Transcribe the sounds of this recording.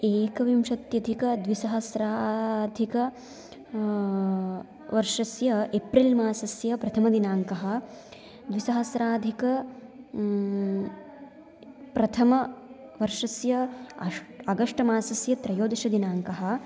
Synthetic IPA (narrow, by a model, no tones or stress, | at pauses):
eːkɐʋimʃɐt̪jɐd̪ʱikɐd̪ʋisɐɦɐsɾaːd̪ʱikɐ | ʋɐɾʂɐsjɐepɾilmaːsɐsjɐpɾɐt̪ʰɐmɐd̪inaːŋkɐɦɐ̆ | d̪ʋisɐɦɐsɾaːd̪ʱikɐ | pɾɐt̪ʰɐmɐ | ʋɐɾʂɐsjɐ | ɐɡɐʂʈɐmaːsɐsjɐt̪ɾɐjoːd̪ɐʃɐd̪inaːŋkɐɦɐ̆